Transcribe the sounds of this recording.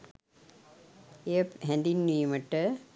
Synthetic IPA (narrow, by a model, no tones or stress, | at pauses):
eəɦɛ̃nd̪inːiːməʈːə